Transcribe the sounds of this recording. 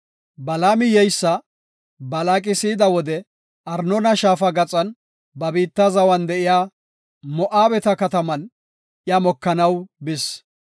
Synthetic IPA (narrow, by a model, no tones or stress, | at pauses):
bɐlaːmɪjɛjsːɐ | bɐlaːkʼɪsiːd̪ɐwɔd̪ɛ | ʔɐɾnɔnɐʃaːfɐɡɐt͡sʼɐn | bɐbiːt̪ːɐzɐwɐnd̪ɛʔɪjaː | mɔʔaːbɛt̪ɐkɐt̪ɐmɐn | jɐmɔkːɐnɐwbɪs